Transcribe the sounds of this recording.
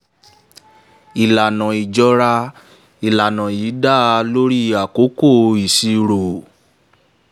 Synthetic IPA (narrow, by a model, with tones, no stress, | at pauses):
i˨la˨nã˨i˨d͡ʒɔ˧ɾa˧ | i˨la˨nã˨jiː˨˦da˦˨˦lo˦ɾi˦a˨ko˨˦ko˦˨i˨si˧ɾo˨